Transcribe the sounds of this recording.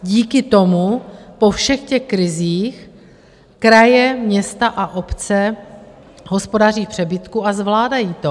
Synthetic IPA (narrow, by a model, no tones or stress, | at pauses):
ɟiːkɪt̪o̞mupo̞fʃɛxcɛxkɾɪziːx | kɾajɛmɲɛst̪aʔaʔo̞pt͡sɛ | ɦo̞spo̞dar̝iːxpr̝̥ɛbɪt̪kuːazvlaːdajiːt̪o